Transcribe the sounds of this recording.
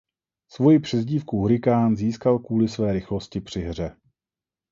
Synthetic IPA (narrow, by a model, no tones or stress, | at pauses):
svo̞jɪpr̥ɛzɟiːfkuɦuɾɪkaːnziːskalkuːlɪsvɛːɾɪxlo̞scɪpr̝̥ɪɦr̝ɛ